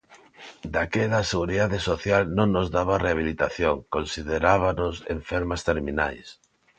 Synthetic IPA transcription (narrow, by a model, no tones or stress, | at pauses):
d̪akeðaseɣuɾiðaðesoθjalnõŋnozðaβareaβ̞ilit̪aθjoŋkonsiðeɾaβanʊsḛɱfeɾmast̪eɾminajs